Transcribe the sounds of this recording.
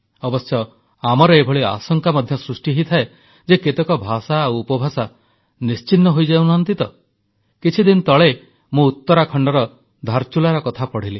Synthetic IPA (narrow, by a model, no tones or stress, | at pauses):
ɔbɔsjɔ | amɔɾɔebʱɔɭia̰sɔŋkamɔd̪ʱjɔsɾusʈiɦit̪ʰae | d͡ʒeket̪ɔkɔbʱasawːpɔbʱasa | nist͡ʃinːɔɦojd͡ʒawnɦnt̪it̪ɔ | kit͡ʃʰid̪int̪ɔɭe | mũut̪ːɔɾakʰɔɳɖɔɾɔ | d̪ʱaɾt͡ʃulaɾɔkɔt̪ʰapɔɽ̤ili